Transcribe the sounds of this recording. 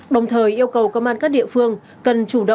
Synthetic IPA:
ɗə˨˩wŋ͡mt̪ʰəː˨˩jʔi˧əwkə˨˩wkə˧wŋ͡mʔaː˧nkaː˦˥k̚ɗḭ˧˨fɨ˧əŋ | kə˨˩nt͡ɕu˧˩ɗə̰˧˨

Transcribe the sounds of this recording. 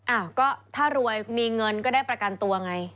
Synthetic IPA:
ʔa˧˩kɔː˥˩t̪ʰaː˥˩ɾu˧əjmiː˧ŋɤ˧nkɔː˥˩daː˥˩jpɾa˧ka˧nt̪u˧ɐʔa˧ŋa˧j

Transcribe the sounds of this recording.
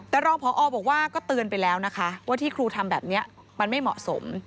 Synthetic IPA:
t̪ɛː˨˩ɾɔː˧ŋpʰɔː˨˦ʔɔː˧bɔː˨˩k̚waː˥˩kɔː˥˩t̪ɯː˧ənpa˧jlɛː˦˥wna˦˥kʰa˦˥waː˥˩t̪ʰiː˥˩kʰɾuː˧t̪ʰa˧mbɛː˨˩p̚ni˦˥ɐ | ma˧nma˥˩jmɔ̰˨˩ʔso̰˨˩˦m

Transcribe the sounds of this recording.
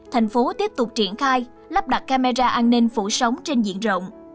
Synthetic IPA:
t̪ʰa˨˩jŋ̟fo˨˦t̪i˦˥əp̚t̪ʊ˨˩k͡p̚t͡ɕi˧˩ənxaː˧j | lə˦˥p̚ɗa˨˩t̚kaː˧ma˧zaː˧ʔaː˧nːi˧ŋ̟fṵ˧˩sə˨˦wŋ͡mt͡ɕe˧nzḭ˧˨ənzo̰˧˨wŋ͡m

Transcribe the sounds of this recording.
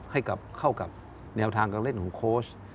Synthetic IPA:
ha˥˩jka˨˩p̚kʰa˥˩wka˨˩p̚ | nɛː˧wt̪ʰaː˧ŋkaː˧ŋle˥˩nkʰɔː˨˩˦ŋkʰoː˦˥˩s

